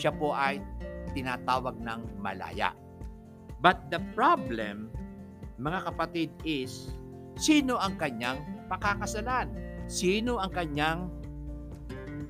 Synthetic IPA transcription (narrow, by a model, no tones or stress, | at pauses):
ʃapo̞ʔɐjt̪ɪnaːt̪aːwɐɡ̚nɐŋmɐ̰la̰ːja̰ʔ | bɐt̪̚d̪ɐpɹablɛ̰mː | ɐŋakɐpɐt̪id̪̚ɪsː | iːno̞ʔɐŋkɐɲaŋpɐkakɐsɐlansiːno̞ʔɐŋkɐɲaŋ